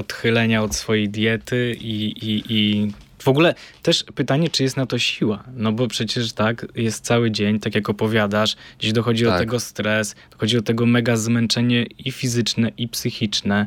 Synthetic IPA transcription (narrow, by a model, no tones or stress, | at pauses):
ɔt̪xɘlɛɲaɔt̪sfɔjejd̪ʲjɛt̪ɘiiʔi | v̥ɔɡulɛt̪ɛʂpɘt̪aɲɛt͡ʂɨjɛst̪nat̪ɔɕiwanɔbɔpʂɛt͡ɕɛʂt̪akjɛst̪̚t̪sawɘd͡ʑeɲt̪ak̬ʲjakɔpɔvʲjad̪aʂd͡ʑeɕd̪ɔxɔd͡ʑid̪ɔt̪ɛɡɔst̪ɾɛsd̪̥ɔxɔd͡ʑid̪ɔt̪ɛɡɔmɛɡazmɛnt͡ʂɛɲɛifʲizɘt͡ʂnɛʔipsɘxʲit͡ʂnɛ